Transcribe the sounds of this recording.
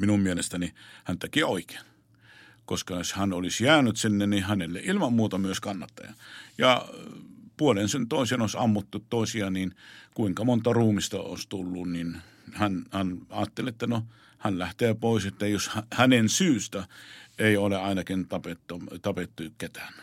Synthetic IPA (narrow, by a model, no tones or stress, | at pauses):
minummielest̪ænihænt̪ekioike̥ːn | koskɑjoshænolisjæːnyt̪sinːennihænelːḛʔilmɑmmuːt̪ɑmyøskɑnːɑt̪ːɑ̰jɑ̰jɑ̰ | puolensent̪oˑisenoˑsɑmːut̪ːut̪toˑisiɑninkuiŋkɑmont̪ɑruːmist̪ɑo̰ːˑst̪ulːunnin | hænhænɑːt̪ːeliet̪ːæno | hænlæht̪eːpoˑiset̪ːæjoshæhænensyːst̪æeˑioleɑˑinɑkint̪ɑpet̪ːɑt̪ɑpet̪ːujukket̪æ̥ːn